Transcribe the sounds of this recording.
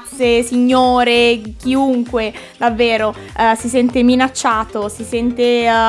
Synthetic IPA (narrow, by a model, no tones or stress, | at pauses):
t̪ssːesiɲːoːɾek̟iuŋkwe | d̪avːeːɾo | sisɛnt̪eminat͡ʃːaːt̪osisɛnt̪e